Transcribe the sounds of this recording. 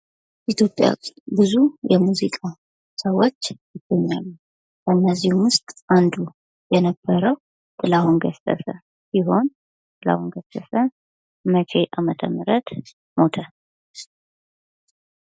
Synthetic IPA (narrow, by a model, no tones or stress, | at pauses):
ʔit̪ʰjo̞pʼja̰bɨzujɛmuzikʼa | səwo̞t͡ʃːjɪɡ̥əɲːalːu | kəɨnːəzihumwʊst̪ʼand̪u | jɛnəbːəɾəw | kʼɨlahunɡəst̪ʼə̰sʼə | siɦo̞n | kɨla̰hunɡəst̪ʼːəsə | mət͡ʃʰe̞ʔamət̪ʰəmɨɾət̪ | mo̞t̪ʰə